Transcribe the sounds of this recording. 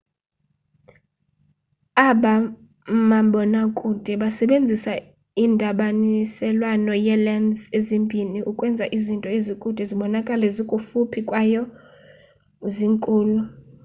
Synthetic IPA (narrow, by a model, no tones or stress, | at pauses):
aɓa | maɓɔnakʼud̥ʱɛɓasɛɓend͡zʱisa | indʱaɓanisɛlwanɔjɛlandd͡zezimbʱiniʔukʼwɛnd͡zʱaʔizintʼɔezikʼud̥ʱɛziɓɔnakʼalɛzikʼufupʰikʼwajɔ | ziŋkʼuːlu